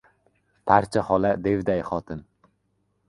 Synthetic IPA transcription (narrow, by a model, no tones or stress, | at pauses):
pʰaɾt͡ʃʰahɒlad̪e̞vd̪ajχɒt̪ʰɪn